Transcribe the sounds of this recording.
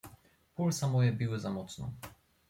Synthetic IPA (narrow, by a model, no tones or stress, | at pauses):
pulsamɔjɛbʲiwɘzamɔt̪snɔ̰